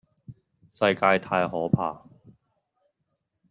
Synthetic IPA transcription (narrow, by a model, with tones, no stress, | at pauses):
sɐ˧jkaː˧jt̪ʰaː˧jɦɔː˨˥pʰa̰ː˧